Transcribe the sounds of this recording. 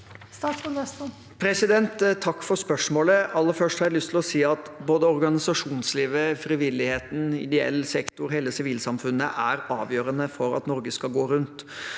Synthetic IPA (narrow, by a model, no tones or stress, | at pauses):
st̪ɑːskʊnɛs | pʰɾɛsɪd̪ɛnt̪ʰːɑkːfɔɾspœʂmoːləɑlːəɾfœʂʈhɑɾɑɛlʏst̪ʰɪlɔsiːɑt̪boːd̪əɔɾɡɑnɪsɑʂuːnsliːʋəfɾiʋɪlːɪheːt̪n̩ɪ̰d̪ɛɛ̰lːsɛkt̪ʊɾɦeːləsɪʋiːlsɑmfʉnːə̰ʔæɾɑːʋjøːɾənəfɔɾɑ̰t̪nɔɾɡəskɑɡoːɾʉnt̪